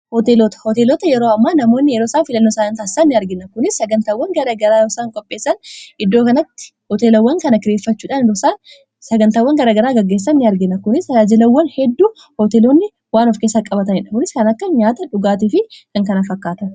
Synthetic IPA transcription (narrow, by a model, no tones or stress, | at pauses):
hɔt̪eːloːt̪ɐ̥hɔt̪eːloːt̪ɐjɛɾoːɐmːaːnɐmo̞ːnːɪjɛɾoːsaːnfɪlɐnːoːsaːɐnt̪aːɪsanːɪɐɾɡɪnːɐkʊnɪsːɐɡɐnt̪aːwːɐŋɡɐɾɐːɡɐɾaːjosaːŋkʼɔpʼːe̞ːsːɐnʔɪd̪ːo̞ːkɐnɐt̪ːɪ̥ | hɔt̪eːlɐwːɐŋkɐnɐkɪɾeːfːɐt͡ʃːuːᶑanɪd̪osaːn | sɐɡɐnt̪aːwːɐŋɡɐɾaːɡɐɾaːɡɐɡːe̞ːs̬ːɐnːɪɐɾɡɪnːɐkʊnɪsaːd͡ʒɪlɐwːɐnhɛd̪ːuː | hɔt̪eloːnːɪ | waːnɔfkeːsːɐkʼɐbɐt̪ɐɪᶑɐkʊnɪskɐnɐkːɐɲaːt̪ɐᶑʊɡaːt̪ifɪkɐŋkɐnɐfɐkːaːt̪ɐn